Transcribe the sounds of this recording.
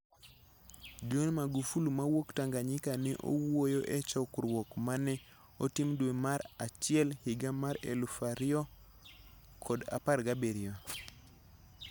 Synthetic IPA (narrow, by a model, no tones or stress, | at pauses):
d͡ʒonmaɡufulumawoktaŋɡaɲɪkanɪʔo̰wojoʔɛt͡ʃɔkɾwokmanɛ | otimdwemaɾat͡ʃɪɛlhiɡamaɾḛlufaɾɪɔ | kʰɔda̰parɡabeɾɪo